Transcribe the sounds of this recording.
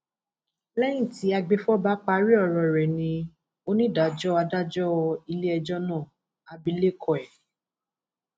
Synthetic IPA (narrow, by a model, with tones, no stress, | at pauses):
lɛ˦j̃ĩ˦˨ti˨˦a˧ɡ͡be˧fɔ˦ba˦k͡pa˧ɾi˦ɔ˧˨ɾɔ˧˨ɾɛ˨nĩ˧ | o˦nĩ˦˨da˨d͡ʒɔ˦a˧da˦d͡ʒɔ˦˧i˧le˦ɛ˧d͡ʒɔ˦nãː˦˨ | a˧bi˧˦le˦˨kʰɔ˧˨ɛ˨